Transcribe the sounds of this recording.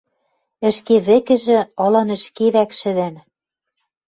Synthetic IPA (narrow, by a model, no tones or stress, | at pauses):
ɘ̆ʃkeβɘ̆kɘ̆ʒɘ̆ɤlɑnɘ̆ʃkeβækʃɘ̆d̪æ̆n